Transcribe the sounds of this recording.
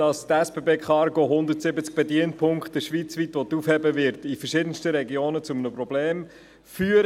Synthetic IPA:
ɑstɛsb̥ebeːkχɑɾɡoɦʊnd̪ətsɪbət͡sk̚b̥ɛdiənpʰʊŋkχtəʃʋit͡sʋit̪ʋɔt̪ufhɛbəvɪɾtifəɾʃɪdən̩stəɾɛɡjoːnət͡sʊmənəprɔb̥leːm | fyːəɾ

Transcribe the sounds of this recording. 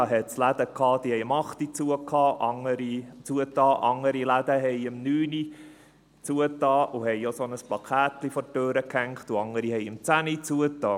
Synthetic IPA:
ɑɦɛtslæd̪əkʰɑːd̥̪ihɛɪəmɑχt̪it͡suəkʰɑːʔɑŋːəɾit͡suətɑːʔɑŋəɾilæd̪əɦɛɪəmnyːni | t͡suətɑːʔuhɛjosonəsplɑkʰæt̪lifɔtøːɾəkhæŋkχt̪uɑŋːəɾihɛɪɪmt͡sænit͡suətɑː

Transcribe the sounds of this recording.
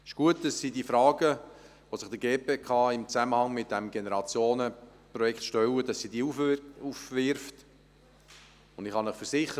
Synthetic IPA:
ɪʃɡ̥uət̚d̥ɑsːidiːfɾɑːɡə | ʋosɪχd̥əɡeːpeːkʰɑːɪmt͡sæməhɑŋmɪt̚dɛmɡenəɾɑt͡sjoːnəprɔjɛktʃtœwəd̥ɑsːidiːuufvɪɾft | ʊndɪχhɑnəχfəɾsɪχə

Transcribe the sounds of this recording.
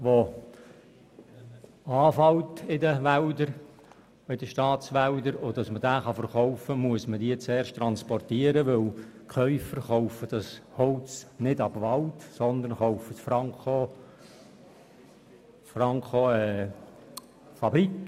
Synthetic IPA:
ʋo | ɑːfɑwtɪdəʋældəɾ | ɪd̥əʃtɑːt͡sʋældəɾodɑsməd̥æːχɑfəɾχɔʊfəmuəsmədiːt͡sɛːɾʃtɾɑnspɔrtiːəɾəʋɪlkχœʏfəɾχɔwfəd̥ɑshɔwt͡snɪdɑbʋɑltsɔnd̪ənχɔwfətfɑŋko | fɾɑŋkoɛ | fɑbɾik

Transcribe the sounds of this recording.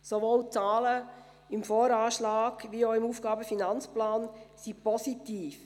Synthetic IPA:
soʋoːlt͡sɑːlə | ɪmfɔːɾɑːʃlɑːɡʋioɪmuːfɡ̥ɑːbəfinɑnt͡splɑːnsipɔsitiːf

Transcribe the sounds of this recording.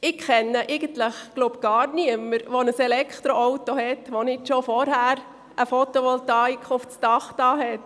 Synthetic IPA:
ɪkkɛnːəʔɛɪɡənt̪ləχɡ̥lopɡ̥ɑːɾniəməɾʋonəsɛlɛkʰt̪ɾoɔwtohɛtʋonɪtʃofɔɾhæːɾ | əfɔt̪oʋɔltɑikʰʊft͡stɑχtɑːɦɛt

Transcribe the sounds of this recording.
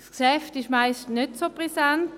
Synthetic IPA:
skʃɛftɪʃmaɪstnøtsopʁɛsant

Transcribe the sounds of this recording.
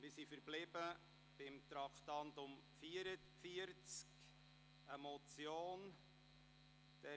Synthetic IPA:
mɪsifəɾblɪbə | b̥ɪmt̪ɾɑkʰt̪ɑntʊmfiəɾə | fiəɾt͡sk | əmɔt͡sjoːn | d̥ɛ

